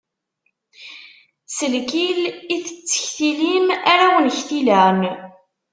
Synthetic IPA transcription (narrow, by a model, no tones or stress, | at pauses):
səlkiliθət͡sːə̥çθilimaɾawənçθilæn